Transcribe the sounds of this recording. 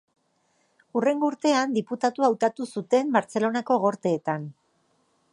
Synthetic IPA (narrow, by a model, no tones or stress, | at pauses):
ure̞ŋɡo̞uɾt̪e̞and̪iput̪at̪uawt̪at̪usut̪e̞mbaɾt͡se̞lo̞nako̞ɣ̞o̞ɾt̪e̞ːt̪an